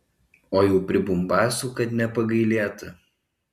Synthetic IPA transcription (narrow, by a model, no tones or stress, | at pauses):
oːjuːpʲɾʲɪbʊmbɑːsuːkɐt̪nʲɛpɐɡɐɪlʲeːt̪ɐ